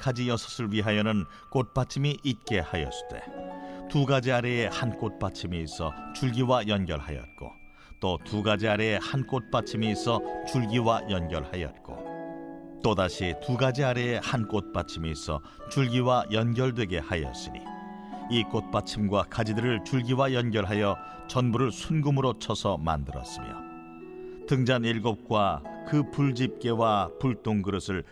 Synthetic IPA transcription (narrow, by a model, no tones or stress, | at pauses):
kad͡ʑijʌsʰʌ̥sʰɯɭɥiɦajʌnɯn | k͈ot̚p͈at͡ɕʰimiʔit̚k͈e̞hajʌ̰s͈dwe̞̰tuɡad͡ʑiaɾeːhank͈ot̚p͈at͡ɕʰimiːsʰʌt͡ɕuɭɡiwajʌnɡjʌɭhajʌ̰t̚k͈o̰ | t͈otuɡad͡ʑiaɾeːhank͈ot̚p͈at͡ɕʰimiːsʰʌt͡ɕuɭɡiwajʌnɡjʌɭhajʌ̰t̚k͈o̰ | t͈odaɕʰituɡad͡ʑiaɾe̞ːhank͈ot̚p͈at͡ɕʰimeisʰʌ̰ | t͡ɕuɭɡiwajʌnɡjʌɭdwe̞ɡe̞hajʌ̰s͈ɯnḭ | ik͈ot̚p͈at͡ɕʰimɡwakad͡ʑidɯɾɯɭt͡ɕuɭɡiwajʌnɡjʌɭɦajʌ | t͡ɕʌnbuɾɯɭsʰunɡumɯɾot͡ɕʰʌsʰʌma̰ndɯɾʌ̰s͈ɯmjo̰ | tɯŋd͡ʑaniɭɡop̚k͈wakɯpuɭd͡ʑip̚k͈e̞wapuɭt͈oŋɡɯɾɯsʰɯɭ